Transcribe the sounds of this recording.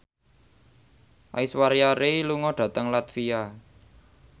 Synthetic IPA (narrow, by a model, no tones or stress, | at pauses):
ʔa̰iswaɾjaɾeluŋɔɖ̪̥ä̤t̪əŋlat̪fia